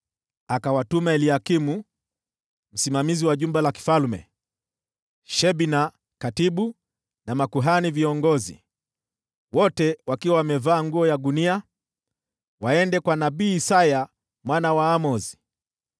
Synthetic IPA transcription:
akawatumaɛliakimu | m̩simamiziwaʄumbɛlaki̥falmɛ̰ | ʃɛɓina | katiɓu | namakuɦaniviɔŋɡɔzḭ | wɔtɛwakiwawamɛvaːŋɡuɔjaɗunia | waɛndɛkwanaɓiːsaja | mwanawaːmɔzi̥

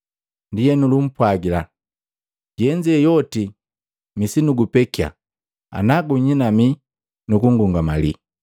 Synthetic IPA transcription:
ndijɛnulum̩pwaɡila̰ | ɟɛɲd͡ʒiɛjɔti | misinuɡupɛkia̰ | a̰naɡuɲinami | nukuŋɡuŋɡama̰li

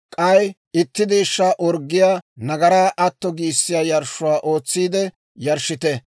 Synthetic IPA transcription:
kʼɐj | ɪt̪ːɪd̪iːʃːaːʔɔɾɡːɪjaːnɐɡɐɾaːʔɐt̪ːɔɡiːsːɪjaːjɐɾʃːʊwaːʔo̞ːt͡sːiːd̪ɛ | jɐɾʃɪt̪ɛ

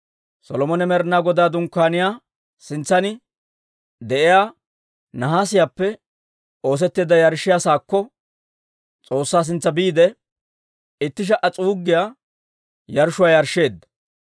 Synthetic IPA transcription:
sɔlɔmɔnɛmɛɾnaːɡɔd̪aːd̪ʊŋkːaːnɪjaː | sɪnt͡sːɐnɪ | d̪ɛʔɪjaː | nɐɦaːsɪjaːpːɛ | o̞ːs̬ɛt̪ːeːd̪ɐjɐɾʃɪjaːsaːkːɔ | t͡sʼo̞ːsːaːs̬ɪnt͡sːɐbiːd̪ɛ | ɪt̪ːɪʃ̬ɐʔɐt͡sʼuːɡːɪjaː | jɐɾʃʊwaːjɐɾʃːe̞ːd̪ːɐ̥

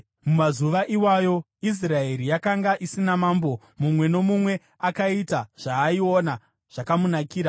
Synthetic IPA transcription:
mumazuʋaʔiwajo̞ | is̬rae̞ɾijakaŋɡaʔisinamaːmbo̞ | mumwe̞no̞mumwe̞ | akaitaʐ̥aːio̞na | ʐ̥akamunakiːɾa

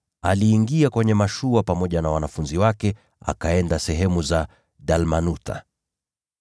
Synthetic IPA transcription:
aliːŋɡiakwɛɲɛmaʃuapamɔʄanawanafunziwakɛ | a̰kaɛndasɛɦɛmuza | ɗalmanuta̰

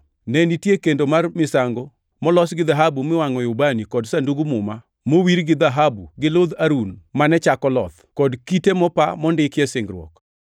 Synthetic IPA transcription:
nɛnitjekendomarmɪsaŋɡɔ | mɔlɔsɡɪd̪aɦabumɪwaŋɔjʊbanikɔdsanduɡumʊma | mowiɾɡɪd̪aɦabuɡɪlod̪aɾunmanɛt͡ʃakɔlɔ̰t̪kɔdkitemɔpamɔndɪkjɛsɪŋɡɾwɔ̰k

